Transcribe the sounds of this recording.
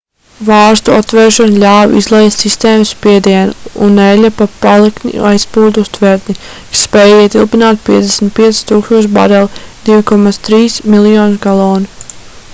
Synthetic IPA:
vɑːɾst̪uat̪ːvɛːɾʃɔnlʲaːvḭzlˠɛjst̪sist̪eːmusspiɛd̪iɛnuunːɛlʲapapalˠiknḭajspuːd̪ust̪vɛɾt̪ni | sspɛːjit̪ilˠpinaːt̪̚piɛd̪ɛsm̩t̪̚piɛt̪si̥t̪uːkst̪uɔʃ̬ba̰ɾɛlˠd̪̥ivikɔmat̪st̪ɾiːsmilˠjɔːnkalˠɔːni

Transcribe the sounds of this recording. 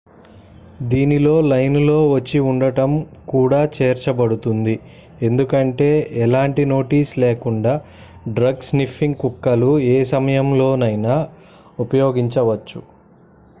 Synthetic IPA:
d̪iːnilo̞ːlɐjnlo̞ːʋɐt͡ʃːiuɳɖɐʈɐmkuːɽaːt͡ʃeːɾt͡ʃɐbɐɽut̪und̪i | e̞nd̪ukɐɳʈe̞ːɛlaːɳʈino̞ːʈiːsleːkuɳɖaː | ɖɾɐɡsnifːiŋɡkukːɐlueːsɐmɐjɐmlo̞ːnɐjnɐ | upɐjoːɡiɲt͡ʃɐʋɐt͡ʃːu

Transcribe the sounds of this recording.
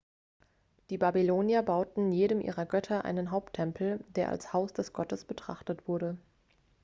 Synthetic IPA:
d̥iːbabiloːnjɐbaʊtn̩jeːɾəmʔḭːʁɐɡœtʰɐʔa̰ɪnənɦaʊptʰːɛmpʰl̩deːɐʔa̰lshaʊsd̥ɛsɡ̥ɔtəsb̥ətʁ̥aχtətv̥ʊɐɾə

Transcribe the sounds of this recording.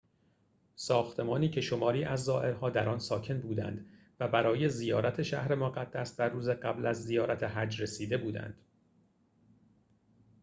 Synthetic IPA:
sɒːxt̪ʰe̞mɒːniːcʰe̞ʃo̞mɒːɾiːʔæzːɒːʔe̞ɾhɒːd̪æɾɒːnsɒːcʰe̞nbuːd̪æ̰nd̪̥ | væbæɾɒːje̞zijɒːɾæt̪ʰe̞ʃæ̰hɾe̞moɣæd̪̥ːæsd̪ærːuːzeɢæblæzːijɒːɾæt̪ʰe̞ɦæd͡ʒre̞siːd̪e̞buːd̪æ̰nd̪̥

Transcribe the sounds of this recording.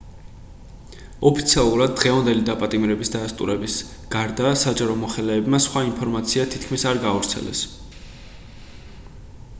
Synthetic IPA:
ɔpʰi̥t̪sʰialˠuɾad̪̚ːʁɛvand̪ɛlid̪apʼat̪ʼimɾɛbisd̪ast̪ʼṵɾɛbis | ɡ̥aɾd̪asad͡ʒaɾɔmɔχɛlɛːbmasχwaimpʰɔɾmat̪sʰiat̪ʰi̥t̪̚ʰkʰmisaɾɡavɾt̪sʰɛ̰lɛ̰s

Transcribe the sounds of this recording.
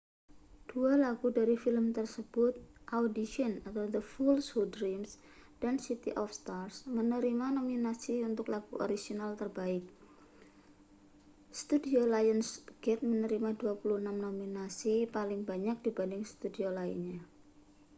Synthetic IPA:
d̥ualaɡudaɾifɪləmt̪ərsəb̥ʊt̪̚ʔaudiʃiənat̪awd̪əfulshudɾims | d̥ansit̪iʔɔfst̪arsmənəɾimanominasiunt̪ʊklaɡ̥uʔo̰ɾid͡ʒinalt̪ərbaɪk̚ | st̪udiolajənsɡ̥ɛt̪̚mənəɾimaduapuluhənamnominasipalɪŋbaɲak̚d̥ibandɪŋst̪udiolaɪ̰nɲa

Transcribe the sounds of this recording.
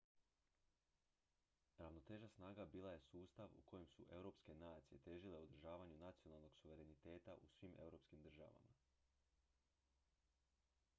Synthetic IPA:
ɾaʋno̞t̪e̞ːʒasnaːɡabiːlˠaje̞suːst̪aʋṵko̞jemsuʔe̞wɾo̞ːpske̞naːt̪sije̞t̪e̞ːʒile̞od̪ɾ̩ʒaːʋaɲunat̪sijo̞nalˠno̞ɡsuʋe̞ɾe̞nit̪e̞ːt̪aʔusʋime̞̰wɾo̞ːpskimd̪r̩ʒa̰ʋa̰ma̰

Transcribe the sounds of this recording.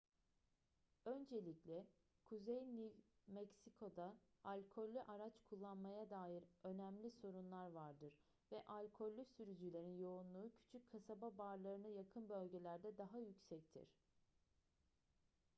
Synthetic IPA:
ø̞nd͡ʒe̞lʲiclʲɛ | kʰuzejnimɛcsikʰo̞d̪aalʲkʰo̞lʲːyʔaɾat͡ʃkʰulˠːanmajad̪aːjiɾø̞næmlʲiso̞ɾunlˠaɾvaɾd̪ɯɾ | vɛʔalʲkʰo̞lʲːysyɾyd͡ʒylʲe̞ɾinjo̞unlˠuːcʰy̥t͡ʃʰyc̚ʲkʰːasababaɾlˠaɾɯnajakʰɯnbø̞lʲɟe̞lʲæɾd̪ɛd̪aɦajycsɛct̪ʰḭɾ̝̥

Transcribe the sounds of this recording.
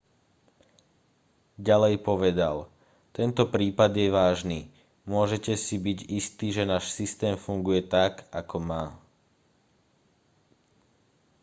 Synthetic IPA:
ɟalɛjpɔʋɛd̪a̰l | t̪ɛnt̪ɔpɾiːpad̪ɪjɛʋaːʒniː | mʊɔʒɛcɛsibiɟist̪iːʒɛnaːʃsist̪ɛːmfuŋɡujɛt̪akakɔmaː

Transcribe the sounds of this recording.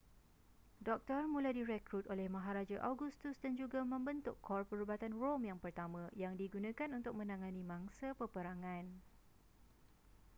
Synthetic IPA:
dɔk̚t̪ɔrmũladiɾɛkɾut̪olɛhmãɦaɾad͡ʒaʔawɡust̪ʊsdand͡ʒuɡamə̃mbənt̪ʊkʰːɔrpəɾubat̪anromjaŋpərt̪amãjaŋdiɡunãkanunt̪ʊk̚mə̃nãŋãnĩmãŋsapəpəɾaŋãn

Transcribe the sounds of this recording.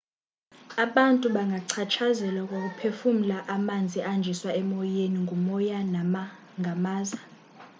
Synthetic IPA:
aɓantʼuɓaŋɡʱaǀʰat͡ʃʰazɛlwak̬ʼok̬ʼupʰefum̩laʔamand͡zʱiand͡ʒʱiswaɛmɔjeniŋɡʱumɔjana | ŋʱamaːza

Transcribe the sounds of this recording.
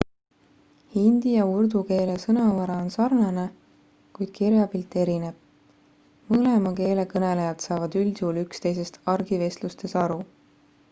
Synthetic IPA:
hind̪̥ijɑurd̪uke̞ːle̞sɤnɑvɑɾɑonsɑrnɑne | kujd̪̥̚kiɾjɑbilt̪ˑːe̞ɾine̞b̥̚ | mɤle̞mɑke̞ːle̞kɤne̞lejɑd̪̥sɑːvɑd̪̥ylʲsuːlykst̪e̞js̬e̞st̪ɑrɡ̥ive̞slust̪e̞sɑɾu

